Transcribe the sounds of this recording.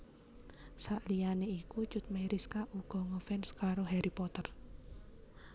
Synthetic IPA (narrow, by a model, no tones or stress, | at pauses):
saʔlijaneikut͡ʃʊt̪̚majɾiskaʔuɡ̥ɔ̤ŋɔfɛnskaɾoɦɛɾipɔt̪ər